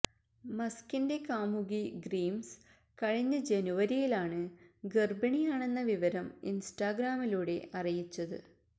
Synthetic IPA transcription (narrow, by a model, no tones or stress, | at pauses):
mɐskinde̞kaːmuɣiɡriːms | kɐɻiɲːɐd͡ʑenuʋɐɾijilaːɳɨɡerbɐɳijaːɳe̞nːɐʋiʋɐɾɐmḭnsʈaːɡraːmiluːɽe̞ʔɐrijit͡ɕːɐðɨ̰